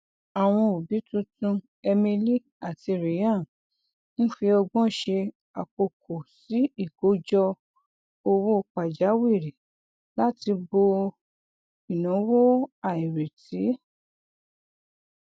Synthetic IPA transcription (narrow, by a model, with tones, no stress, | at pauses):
a˨w̃ɔ̃˧o˨bi˨˦tũ˦tũ˧ | ɛ˧mĩ˧li˦ | a˦˨ti˧˨ɾi˨˦jã˦˨ | ñ̩˦fi˧ɔ˧ɡ͡bɔ̃˦ʃe˧ | a˨k͡po˨kʰo˨si˨˦i˦˨ɡo˨˦d͡ʒɔ˧ | o˧wo˦˧k͡pa˨d͡ʒa˨˦wi˦˨ɾi˨ | la˦ti˧bo˧ | i˨nã˨˦wo˦a˦˨i˨ɾe˨ti˨˦